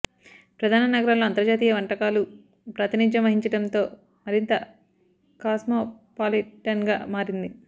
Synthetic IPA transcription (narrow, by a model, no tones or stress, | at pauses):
pɾɐd̪ʱaːnɐnɐɡɐɾɐmloːɐnt̪ɐɾd͡ʒaːt̪̬iːjɐʋɐɳʈɐkaːlu | pɾɐt̪inid͡ʒɐmʋɐɦiɲt͡ʃɐɽɐnt̪o̞ː | mɐɾint̪ɐ | kaːsmopaːliʈɐnɡaːmaːɾind̪i